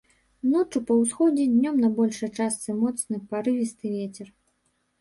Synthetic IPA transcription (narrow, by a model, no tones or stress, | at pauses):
nɔt͡ʂupɐwsxɔd͡zʲɛd̪ʲnʲɔmnɐbɔlʲʂɐjt͡ʂast̪sɨmɔt̪snɨpaɾɨvʲist̪ɨvʲet͡sʲɛr